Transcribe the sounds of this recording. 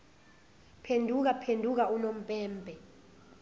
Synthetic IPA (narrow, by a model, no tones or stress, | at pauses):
pʰendʱuk̬apʰendʱuk̬aunom̩pʼɛːmbʱɛ